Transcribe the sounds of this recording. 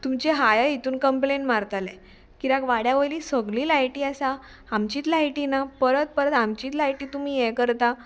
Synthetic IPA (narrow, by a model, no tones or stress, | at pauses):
t̪umt͡ɕeɦajəɦit̪uːnkəmpleɳʈmaɾt̪alẽ | kiɾakʋaɽjaʋəjliːsəɡliːlajʈiːasa | amt͡ɕiːt̪lajʈinapəɾət̪̚pəɾət̪amt͡ɕiːt̪lajʈiːt̪um̤iːjɛkəɾt̪a